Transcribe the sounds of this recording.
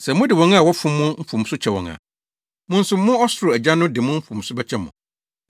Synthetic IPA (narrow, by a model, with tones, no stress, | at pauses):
sɛ˨mʊ̃˦dɪ˨wɔ̃˨ŋa˦˨wɔ˦fʊ̃˦mːʊ̃˦m̩˦fũ˨m˨sʊ˦t͡ɕʰɛ˨wɔ̰̃˨ŋã̰˨ | mʊ̃˦n̩˦sʊ˦mʊ̃˦ɔ˦sʊ˨ɾʊ˨æ˨d͡ʑa˦nʊ̃˦dɪ˨mʊ̃˦m̩˦fũ˨msʊ˦bɛ˦t͡ɕʰɛ˦mʊ̰̃˨